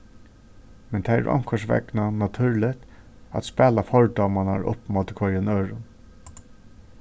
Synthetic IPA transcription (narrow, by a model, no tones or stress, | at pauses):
mɛnt̪ʰaːæ̰ɹʔɔ̰ŋ̥kʰɔʂʋɛ̰knanat̪ʰʉɾlɪt̪ | a̰t̪spɛːlafɔɹd̪ɔmanaɹʊ̰pːmɔːt̪ɪkʰœɾənøːɹʊn